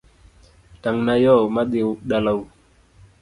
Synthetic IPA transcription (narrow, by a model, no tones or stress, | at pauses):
taŋnajɔmaɗeɗalaw